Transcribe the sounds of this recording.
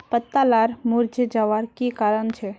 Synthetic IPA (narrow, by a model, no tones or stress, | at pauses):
pət̪ːalaɾmuɾd͡ʒed͡ʒaʋaɾkikaɾənt͡ʃʰɛ